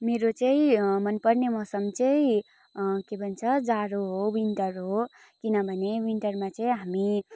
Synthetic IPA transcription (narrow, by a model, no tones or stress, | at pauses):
meɾot͡ʃəimənpəɾnemʌsəmt͡ʃei | kebʱənt͡ʃʰəd͡zaɾoɦowinʈəɾɦo | kinabʱənewinʈəɾmãt͡səiɦami